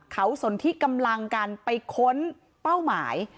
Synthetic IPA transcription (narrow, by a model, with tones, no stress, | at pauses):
kʰa˦˥wso˩˦nt̪ʰiː˦˥˩ka˧mla˧ŋkaː˧npa˧jkʰo˦˥n | pa˥˩wmaː˩˦j